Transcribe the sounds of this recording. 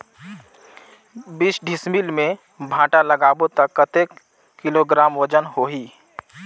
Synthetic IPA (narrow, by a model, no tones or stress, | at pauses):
bisɖʱɪsmilmẽ | bʱãːʈaləɡaːbot̪əkːət̪eːk | kːɪloɡɾaːmwəd͡ʒənɦoɦiː